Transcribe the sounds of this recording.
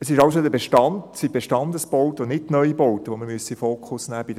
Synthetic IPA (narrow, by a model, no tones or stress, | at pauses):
əsɪʃɑʊsod̪əbeʃtɑndsib̥eʃtɑndəsb̥owtəonɪttnœʏibowtəʋoməmyəsifoːkʰʊsnæːb̥id